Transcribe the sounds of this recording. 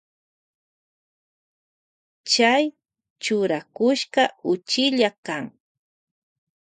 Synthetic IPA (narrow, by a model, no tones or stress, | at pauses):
t͡ʃaj | t͡ʃʊɾakʊʃkɑʊt͡ʃɪʎakaŋ